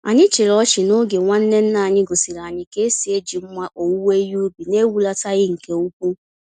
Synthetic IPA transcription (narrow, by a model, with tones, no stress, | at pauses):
a̰˨ɲɪ˦t͡ʃɪ˨ɾɔ˦t͡ʃɪ˨no˦ɡe˨ŋʷa˦n̩˦ne˦n̩˦na˦˨ɲɪ˦ɡo˨si˨ɾa˨ɲɪ˨˦ke˦si˨e˦d͡ʒi˨m̩˦mʷa˦ʔo˨wu˦we˦ju˦bi˨ne˦wu˦la˦ta˦ɣɪ˦ŋ̩˨ke˦u˦kʷu˦